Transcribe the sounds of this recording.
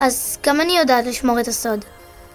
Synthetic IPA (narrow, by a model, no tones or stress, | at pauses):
ʔazɡ̥amanijo̞daːtliʃmo̞ʁet̪aso̞d